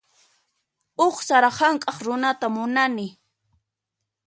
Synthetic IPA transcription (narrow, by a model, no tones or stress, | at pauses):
oχsaɾɑhɑŋkʼɑχɾʊnat̪amʊnanɪ